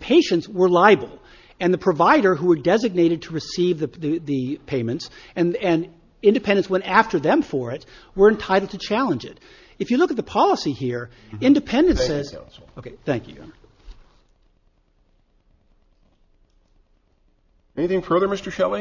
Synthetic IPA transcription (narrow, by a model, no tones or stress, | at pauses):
pʰeɪʃɨ̃ntswə˞laɪbl̩ˠ | ɨ̃nðɨpʰɹ̥ɨvaɪɾə˞ɦuwə˞dɛzɨɡ̚neɪɾɨd̚tʰəɹɨsivðɨðɨðɨpʰẽɪ̃mɨ̃ntsɨ̃nɨ̃n | ɪ̃ndɨpʰɛ̃ndɨ̃nswɛ̃ñtæftə˞ðɨ̃ɱfə˞ɪt̚wə˞ɨ̃ntʰaɪɾl̩ˠtʰɨt͡ʃʰælˠə̃nd͡ʒɪ̰t | ɨfjɨlʊkɨt̪̚ðəpʰɑlˠəsihiɹ | ɪ̃ndɨpʰɛ̃ndɨ̃nsɛzoʊkʰeɪθæ̃ŋkjɨ̰ | ɛniθɪ̃ŋfɜ˞ðə˞mɪstə˞ʃɛlˠi